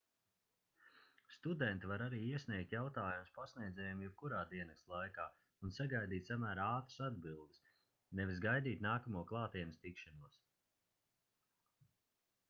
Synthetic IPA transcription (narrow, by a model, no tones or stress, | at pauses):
st̪ud̪ɛnt̪ivaɾaɾiːiɛsʲniɛk̚t̪ʲjawt̪aːjumspasniɛd̪zɛːjumjɛb̚kuɾaːd̪iɛnakst̪lˠajkaː | unsaɡajd̪iːt̪samæːɾaaːt̪ɾə̥sad̪̚bilˠd̪ɨs | nɛvʲisɡajd̪iːt̪ʲnaːkamuɔklˠɑːt̪iɛnst̪ikʃanuɔs